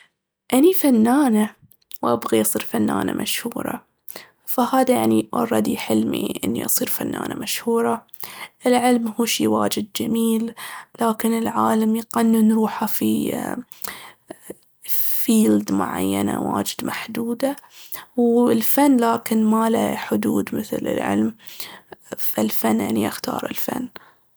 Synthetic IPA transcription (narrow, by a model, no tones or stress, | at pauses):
ʔanifanːaːna | wʔabɣiʔɑsˤiːɾfanːa̰ːna̰mʔa̰ʃhuːɾˤɑ̰ | fahaːðajaʕniʔɑrˤːɑd̪iħɪlmḭʔɪ̰nːḭʔɑsˤiːɾfanːa̰ːna̰maʃhuːɾˤɑ | ʔɪlʕɪlmhuːʃiːwaːd͡ʒɪd̪̚d͡ʒamiːllaːkɪnɪlʕaːlamjɪqanːɪnɾuːħafi | fiːld̪mʊ̰ʕa̰jːana̰wa̰ːd͡ʒɪd̪maħd̪uːd̪a | wɪlfanːlaːkɪnmala̰ħʊd̪uːd̪mɪθlɪ̰lʕɪ̰lm | falfanːʔɪnːiʔaxt̪ɑ̰ːɾˤɪ̰lfa̰nː